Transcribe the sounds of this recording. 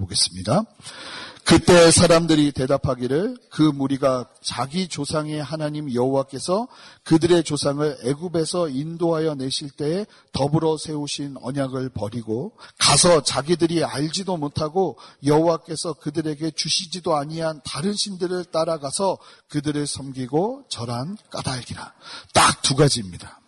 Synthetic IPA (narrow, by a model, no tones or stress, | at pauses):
oɡe̞s͈ɯ̥mɲida | kɯt͈e̞sʰaɾamdɯɾite̞dapʰaɡiɾɯɭkɯmuɾiɡa | t͡ɕaɡit͡ɕosʰaŋe̞ɦanaɲimjʌɦowak͈e̞sʰʌkɯdɯɾe̞t͡ɕosʰaŋɯɭe̞ɡube̞sʰʌindoɦajʌne̞ɕʰiɭt͈e̞ː | tʌbɯɾʌsʰe̞uɕʰinʌ̰ɲaɡɯɭpʌɾiɡokasʰʌt͡ɕaɡidɯɾiaʎd͡ʑidomotʰaɡojʌɦowak͈e̞sʰʌkɯdɯɾe̞ɡe̞t͡ɕuɕʰid͡ʑidoaɲiantaɾɯnɕʰindɯɾɯɭt͈aɾaɡasʰʌkɯdɯɾesʰʌmɡiɡot͡ɕʌɾank͈a̰daɭɡiɾat͈ak̚tuɡad͡ʑimɲida